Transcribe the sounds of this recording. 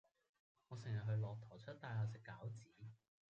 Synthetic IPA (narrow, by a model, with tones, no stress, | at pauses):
ŋɔː˨˧sɪ˨˩ŋjɐ˨t̚ɦɵ˧ɥlɔː˨k̚t̪ʰɔː˨˩t͡ʃʰɵ˥t̚t̪aː˧jɦaː˧sɪ˨kːaː˨˥wt͡siː˨˥